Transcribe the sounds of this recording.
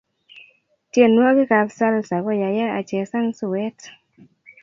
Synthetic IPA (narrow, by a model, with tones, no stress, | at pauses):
tje˨nwo˦ɡɪ˦ka˨bsa˦lsa˨kɔ˦ja˨ja˦a˨t͡ʃɛ˨sa˦ŋsʊ˨wɛ˦t